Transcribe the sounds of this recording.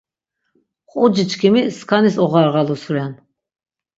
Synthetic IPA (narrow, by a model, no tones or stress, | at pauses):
χʼud͡ʒit͡ʃʰkʰimiskʰanisɔʁaɾʁalusuɾɛn